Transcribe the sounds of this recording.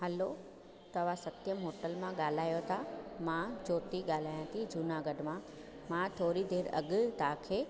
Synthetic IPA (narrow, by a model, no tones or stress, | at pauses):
ɦɐlo | t̪ɐʋ̤ãsɐt̪jəmɦoːʈəlmãɠaːl̤aːjot̪ʰamãd͡ʑoːt̪iɠaːl̤aːjãt̪ʰid͡ʑunaɡəɖmã | mãt̪ʰoːɾid̪eːɾɐ̰ɠ̆t̪ãːkʰeː